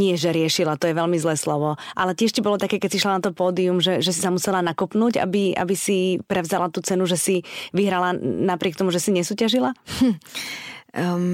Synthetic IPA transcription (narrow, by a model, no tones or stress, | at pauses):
ɲɪɛʒɛɾɪɛʃilat̪ɔjɛʋɛlmizlɛːslɔʋɔʔalɛcɪɛʃcibɔlɔt̪akɛːkɛsiʃlanat̪ɔpɔːd̪iumʒɛʒɛsisamusɛlanakɔpnuːɟa̰bia̰bisipɾɛvzalat̪uːt͡sɛnuʒɛsiʋiɦɾalanapɾɪɛkt̪ɔmuʒɛsiɲɛsuːcaʒila